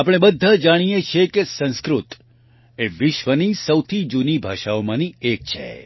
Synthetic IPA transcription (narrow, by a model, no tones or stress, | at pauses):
apəɽ̃ebəd̪ʱːad͡ʒaɽ̃ijet͡ʃʰekesə̃nskɾut̪ | eʋɪʃʋənisəwt̪ʰid͡ʒunibʱaʃaomãniek̚t͡ʃʰḛ